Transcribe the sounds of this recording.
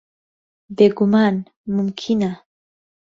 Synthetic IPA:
beɡʊman | mʊmkʰɪna

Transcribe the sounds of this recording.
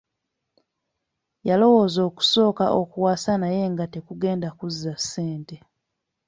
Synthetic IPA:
jalo̞woːzo̞ːku̥so̞ːka̰ʔokuwaːsanaje̞ŋɡate̞kuɡe̞ːndakuzːasːe̞ːnte̞

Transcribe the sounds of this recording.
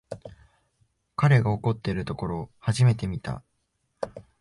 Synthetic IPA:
kaɾe̞ɡao̞ko̞t̪ːe̞ɾɯ̟t̪o̞ko̞ɾo̞haʑime̞t̪e̞mʲit̪a̰

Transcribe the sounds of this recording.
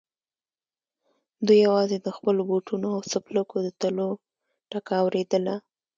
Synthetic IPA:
d̪ujawɑzed̪əxpəloboʈunoawsapləkod̪ət̪alo | ʈakaːwɾed̪əla

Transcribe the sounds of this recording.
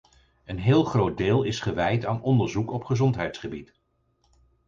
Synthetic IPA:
ənɦɪːlˠχrowd̚deːlˠɪsχəʋɛjtaːnɔndəɹzukɔpχəzɔntɦɛjtsχəbit

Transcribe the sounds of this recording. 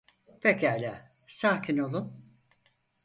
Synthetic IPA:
pʰecæːlʲæ | saːkʰino̞lˠum

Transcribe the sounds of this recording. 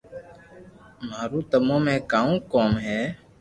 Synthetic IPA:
maːɾũːt̪əmõːmẽːkaːũːkoːmɦɛː

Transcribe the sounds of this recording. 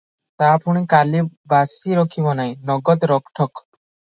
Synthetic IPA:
t̪apuɽ̃ikalibasiɾɔkʰibɔnajnɔɡɔd̪ɾɔkʈʰɔk

